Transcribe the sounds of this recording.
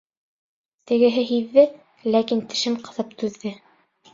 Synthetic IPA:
t̪ɘ̆ɡɘ̆ɦɘɦiðːɘ | lækint̪ɘ̆ʃɘmqɤ̆ðɤp̚t̪ʉðːɘ

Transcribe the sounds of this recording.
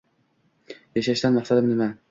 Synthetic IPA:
jaʃaʃt̪anmɑχsad̪ɪmnɪma

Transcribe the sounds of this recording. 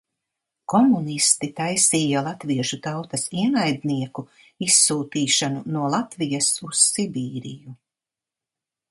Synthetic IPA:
kɔmunist̪it̪ajsiːjalˠat̪viɛʃut̪awt̪ɐsiɛnajd̪niɛku | isːuːt̪iːʃanunuɔlˠat̪vijɐsussibiːɾḭju

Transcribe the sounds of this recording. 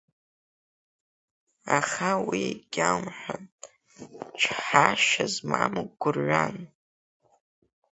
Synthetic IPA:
aχawiɡʲawmħʷᶣa | t͡ʃʰħaʃazmamɨɡɡʷʊrːan

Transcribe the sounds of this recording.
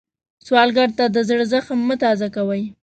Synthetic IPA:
swɑlɡaɾt̪ad̪əzəɽzəxamːət̪ɑzakawəj

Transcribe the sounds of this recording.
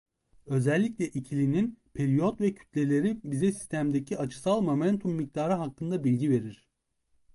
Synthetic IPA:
ø̞zɛlʲːicʲlʲɛʔicʰilʲininpʰeɾijo̞t̪vɛcʰy̥t̪ʰlʲe̞lʲe̞ɾibizɛsi̥st̪ʰæmd̪ecʰiat͡ʃʰɯ̥salˠmo̞mɛnt̪ʰumːic̚t̪aːɾɯɦakːɯnd̪abilʲɟive̞ɾiɾ̥

